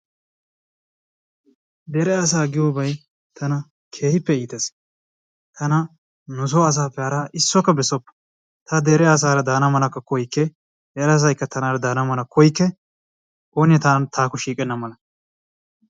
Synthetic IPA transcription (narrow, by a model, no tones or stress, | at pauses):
d̪ɛɾɛɐs̬aːɡɪjoːbɐj | t̪ʰɐnɐ | kʰe̞ːhɪpːɛiːt̪ɐs | t̪ɐnɐ | nʊs̬ɔːɐs̬aːpːɛhɐɾaːʔɪsːɔkːɐbɛsɔpːɐ̥ | t̪ɐd̪ɛɾɛɐs̬aːɾɐd̪aːnɐmɐlɐkːɐkɔjkːɛ | dɛɾɛs̬ɐjkːɐt̪ʰɐnaːɾɐd̪aːnɐmɐlɐkʰɔjkːɛ | oːnɪjɐt̪aːnt̪ʰaːkʊʃiːkʼɛnːɐmɐlɐ